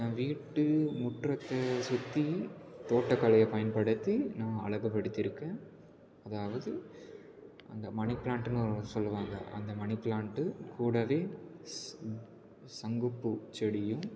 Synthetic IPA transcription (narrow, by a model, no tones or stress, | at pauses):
nãːʋiːʈːɯmʊʈrɐt̪ːɐsʊt̪ːit̪oːʈːɐkːɐlɐjɐpɐjɐnpɐɽɯt̪ːinãːɐ̰ɭɐʋɐpːɐɽɯt̪ːɪɾɯkːẽː | ɐðaːʋɐðɯ | ʔɐ̰nd̪ɐmɐɳɪpːɪɭaːɳʈɯnɯ̃sɔlːɯʋaːŋɡɐ̰ʔɐ̰nd̪ɐmɐnɪpːlaːɳʈːɯkuːɽɐʋeː | sɐŋɡɯpːɯt͡ʃɛɽɪjɯ̃